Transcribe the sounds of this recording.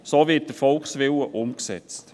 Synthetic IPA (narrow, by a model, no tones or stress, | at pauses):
soːvɪt̚d̥əfɔlksʋɪləʔʊmksɛ̰t͡st